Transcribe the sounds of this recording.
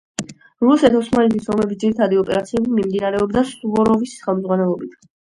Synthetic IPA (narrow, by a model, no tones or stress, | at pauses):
ɾusɛt̪ʰɔsmanit̪ʰisɔmɛbisd̪iɾit̪ʰad̪iɔpʼɛɾat̪sʰiɛbimimd̪inaɾɛɔbd̪asuvɔɾɔvisχɛlˠmd̪zʁwanɛlˠɔbit̪ʰ